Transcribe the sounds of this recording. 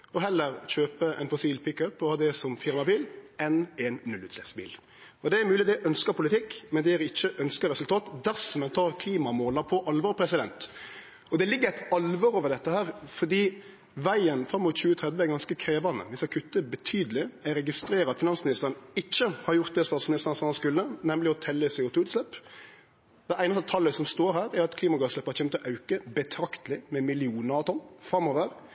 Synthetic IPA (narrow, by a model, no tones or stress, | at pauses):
ɔɦɛlːəɾɕøːpəʔɛ̰nfɔsiːlpʰɪkœpːɔhɑːd̪ɛsɔmfɪɾmɑbiːlɛneːnːʉlʉːt̪slɛpsbḭːl | ɔd̪ɛæɾmʉːlɪd̪ɛʔœnskəɾpʰʊlɪt̪ʰɪkːmɛnd̪ɛæɾɪçːəʔœnskəɾɛsʉlt̪ʰɑːt̪d̪æɾsɔmɛnt̪ʰɑːɾkʰliːmɑmoːlɑpʰɔʔɑlʋɑɾpʰɾɛsɪd̪ɛ̰nt̪ | ɔd̪ɛlɪɡːəɾæɪt̪ɑlʋɑɾoːʋəd̪ɛt̪ːəhæːɾfɔd̪iː | ʋæɪənfɾɑmːuːt̪çʉːət̪ʰɾɛd̪ʋəɛɾɡɑnskəkʰɾeːʋɑnd̪ə̰ʋɪsɑkʰʉt̪ːəbət̪ʰyːd̪əlɪæɾɛɡɪst̪ɾeːɾəɾɑt̪fɪnɑnsmɪnɪst̪əɾənɪçːəhɑɾjʊɾt̪̚d̪ɛst̪ɑːt̪smɪnɪst̪əɾnsɑnɑnskʉlːənɛmlɪɔt̪ʰɛlːəsɛʊt̪uːʉt̪slɛpː | d̪ɛæɪnɑst̪ət̪ʰɑlːəsɔmst̪oːɾhæːɾɛɾɑt̪kʰliːmɑɡɑslɛpːəhɑɾçɛmt̪ɔʔɑʉkəbɛt̪ʰɾɑkt̪əlɪmɛmɪlɪuːnɑt̪ʰɔnːfɾɑmːoːʋəɾ